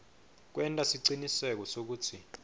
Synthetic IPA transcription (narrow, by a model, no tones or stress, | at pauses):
k̬wʔɛntʼasiǀinisɛk̬ɔsok̬uːtʰi